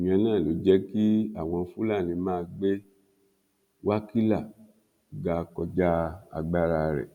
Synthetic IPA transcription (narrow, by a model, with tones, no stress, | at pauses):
i˨ɲ̃˨ɛ̃˧nãː˦˨lo˨˦d͡ʒɛ˦ki˦a̰˦˨w̃ɔ̃˧˦fu˦la˦˨nĩ˧mãː˦˧ɡ͡be˦ | wa˦ki˦la˦˨ | ɡa˧kɔ˧d͡ʒa˦a̰˧ɡ͡ba˦ɾa˧ɾɛ̰˨